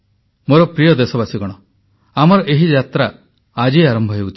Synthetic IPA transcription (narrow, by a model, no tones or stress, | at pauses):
moɾɔpɾijɔd̪esɔbasiɡɔɽ̃ɔ | amɔɾɔʔeɦid͡ʒat̪ɾaː | d͡ʒiaɾɔmbʱɔɦewut̪ʰi